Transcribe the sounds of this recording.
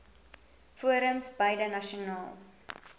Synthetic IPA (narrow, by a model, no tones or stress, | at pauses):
fuəɾəmsbəjdənɐʃiunɑːlˠ